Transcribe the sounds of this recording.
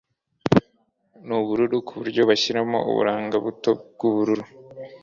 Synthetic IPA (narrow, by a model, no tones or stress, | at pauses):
nuβuɾuɾukʰuβuɾɟo̞βaçiɾamo̞̰ṵβṵɾaːŋɡaβuto̞bɡ̥uβuɾuɾu